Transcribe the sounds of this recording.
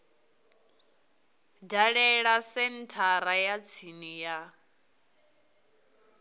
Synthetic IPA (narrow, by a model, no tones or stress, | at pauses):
daɺɛɺasɛntʰaɾajat͡sʰinija